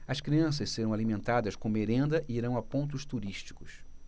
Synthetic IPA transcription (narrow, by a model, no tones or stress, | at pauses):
ɐskɾiɐ̃s̬ɐsseɾɐ̃w̃alimẽnt̪ad̪ɐskõmeɾẽnd̪ɐʔiiɾɐ̃w̃apõnt̪̬ʊst̪uɾiʃt͡ʃi̥kʊs